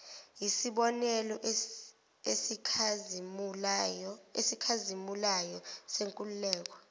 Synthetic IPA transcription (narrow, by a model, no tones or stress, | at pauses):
jisiɓɔnɛlɔ | esi | esikʰazimulajɔseŋkʼululɛːk̬ɔ̥